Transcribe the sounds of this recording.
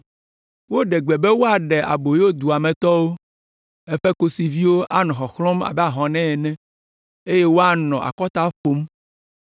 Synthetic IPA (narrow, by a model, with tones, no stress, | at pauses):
wo˦ɖɛ˨ɡ͡bɛ˨bɛ˦wo˦a˨ɖɛ˨ʔa̰˨bo˨jo˦d̪u˨a˨mɛ̃˨t̪ɔ˦wo˦ | ɛ˦ɸɛ˦ko˦si˨vi˦wo˦ʔa˦nɔ̃˨xɔ˨xlɔ̃˦ma̰˨bɛ˦a˨ɦɔ̃˨nɛ̃˦ɛ˨nɛ̃˦ | e˦je˦wo˦a˦nɔ̃˨ʔa̰˨kɔ˦t̪a˦ɸo˦m